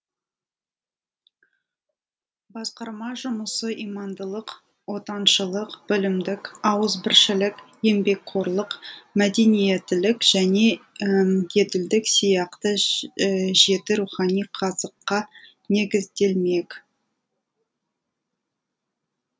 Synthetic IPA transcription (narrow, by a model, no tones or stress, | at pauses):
bɑsqɑɾmɑʒʊməsəʔimɑnd̪əlˠəq | wo̞t̪ɑnʃəlˠəqb̥ɪlɪmd̪ɪkɑwəzbɪɾʃɪlɪkje̞mbe̞k̚qʰo̞ɾlˠəqmæd̪e̞nije̞t̪ɪlɪkʒ̥æne̞ | je̞d̪ɪld̪ɪksijɑqt̪ə | ʒe̞t̪ɪɾuχɑnijqʰɑzəqːɑ | ne̞ɡʲɪzd̪e̞lme̞k